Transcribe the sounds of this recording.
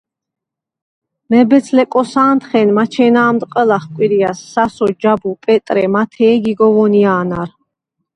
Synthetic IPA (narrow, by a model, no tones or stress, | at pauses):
mɛbɛsʰlɛkʼɔsaːnt̪χɛnmat͡ʃʰɛːnaːmd̪qʼəlaχkʷʼwiɾiasːasɔd͡ʒabupʼɛt̪ʼɾɛmat̪ʰɛːɡiɡɔvɔniaːnaɾ